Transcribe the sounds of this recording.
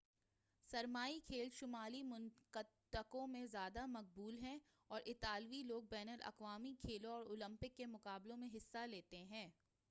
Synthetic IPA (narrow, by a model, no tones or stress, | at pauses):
sɐɾmaːikʰeːlʃʊmaːlimʊnkət̪əkõmẽzjaːd̪amɐq̚buːlɦɛ̃ | ɔːɾʔɪt̪aːlʋiloːɡ̚bɛːnəlʔɐ̰kʋaːmikʰeːlõɔːɾoːlə̃mpɪkːemʊkaːblõmẽɦɪsːaleːt̪eɦɛ̃ː